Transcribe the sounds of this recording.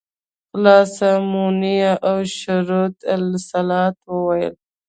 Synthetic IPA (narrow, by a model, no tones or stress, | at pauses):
xlɑsamunijaʔawʃʊɾot̪alsalɑt̪wəwajə̰l